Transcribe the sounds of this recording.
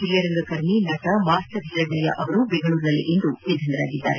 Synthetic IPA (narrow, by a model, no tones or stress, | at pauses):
d͡ʒiljɐɾɐŋɡɐkɐɾminɐːʈɐmaːst̪ɐb̪ʱiɾɐɡɐlɐjɐ̰ʔɐʋɐɾubeŋɡɐɭuːɾnɐlḛʔend̪uʋid̪ʱːɐnd̪ɐɾa̰ːɡid̪ːa̰ːɾe